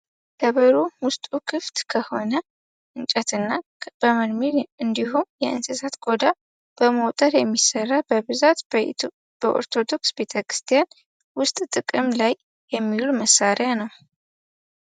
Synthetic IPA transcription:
kʰəβəɾuwʊst̪ʼukʰɨft̪kʰəho̞nə | ʔɨnt͡ʃʼɛt̪ɨnːa | b̥əməd̪miɾɨnd̪ihumjɛʔɨ̰nsɨsat̪ɡʼo̞d̪a | b̥əməwt̪ʼəɾjɛmːisərːabəβɨzat̪ | b̥əʔo̰ɾt̪ʰo̞d̪o̞ksbe̞t̪ʰəkɾɨ̥st̪ʰijan | wʊst̪ʼt̪ʼɨkʼɨmlaj | jɛmːiluməsːaɾjanəw

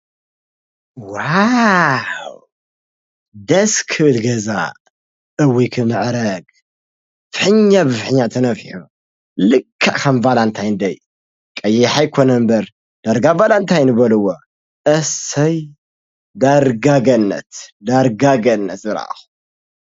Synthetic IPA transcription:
wa | w | d̪ɐskʰɨʔɨlɡɐza̰ | ʔɨwikʰɨmɨʕɾɐɡ | fɨħɨɲːabɨfħɨɲːat̪ʰɐnɐfħu | lɨkʰːaʔkɐmvalant̪ʰajɨnd̪ɐj | kʼɐjɛħajkʰonɐmbɐɾ | d̪̥aɾɡavalant̪ʰajnɨβɐlɨwo | ʔɐsɐj | d̪aɾɡaɡɐnːɐ̰t̪d̪aɾɡaɡɐnːɐt̪zɨɾa̰ʔxu

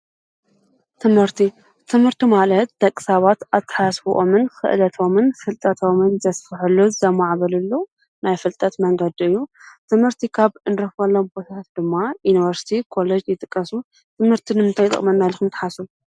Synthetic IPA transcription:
t̪ʰɨmhɨɾt̪ʰi | t̪ʰɨmhɨɾt̪imalɐt̪d̪ɐkʼːɨ̥saβat̪ʔat̪ʰːɐ̥ħasfuʔomɨnxɨ̰ʔlɐt̪ʰo̞mɨnfɨlt̪ʼɐt̪ʰo̞mɨnzɐsfɨħɨlːozɨzɐmaʕβɐlɨlːo | najfɨlt̪ʼɐt̪mɐŋɡɐd̪iɨjːut̪ʰɨmhɨɾt̪ʰikʰaβɨnd̪ɨɾɐxbɐlːombot̪ʰat̪ʰat̪̚d̪ɨmːajunivɐɾsi̥t̪ʰikʰo̞led͡ʒjɪt̪ʼɨkʼːɐsu | t̪ʰɨmhɨɾt̪ʰinɨmɨnt̪ʰajt̪ʼɨ̰χʼmɐnːajlɨxɨmt̪ʰːħasu

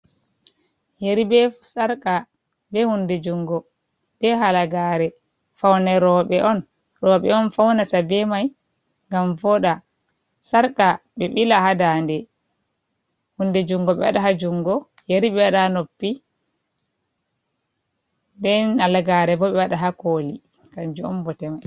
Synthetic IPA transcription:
jeɾibɛsaɾka | bɛhundɛd͡ʒuŋɡɔ | ɓɛɦalaɡaːɾɛ | fawnɛɾɔɓɛʔɔn | ɾɔɓɛɔnfawnasabɛmaj | ŋɡamvɔɗa | saɾkaɓɛɓilaɦadaːndɛ | hundɛd͡ʒuŋɡɔɓɛwaɗaɦad͡ʒuŋɡɔ | jeɾiɓɛwaɗanopːi | dɛnalɡaːɾɛbɔɓɛwaɗaɦakoːli | kaɲd͡ʒuɔ̰mbɔtɛmaj

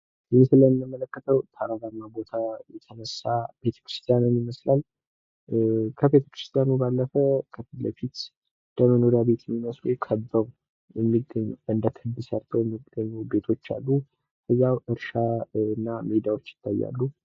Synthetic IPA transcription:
jɨmsɨləmːɨmːələkːət̪ʰəwt̪ʰaɾaɾamːabo̞t̪ʰajɛt̪ʰənəsːab̥e̞t̪ʰə̥kɨɾɨst̪ʰijanɨmjɪməslal | kʰəβe̞t̪ʰə̥kɾɨst̪ʰijanubalːəfəkʰəfit̪ləfit̪ | d̪̥əmənoɾjabe̞t̪jɛmːiməslukʰəbːəw | jɛmːiɡːəɲːɨnd̪ət̪ʰɨd̪ːɨsaɾt̪ʰəwjɛmːiɡəɲːube̞t̪ʰo̞t͡ʃːa̰lːu | kəzːawɨɾʃaɨnːamid̪awo̞t͡ʃːɪ̥t̪ʰːajːa̰lːu

